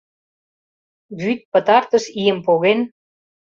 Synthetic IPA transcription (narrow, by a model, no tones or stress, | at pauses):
βyt̪̚pə̆t̪ɑrt̪ə̆ʃijəmpoɣen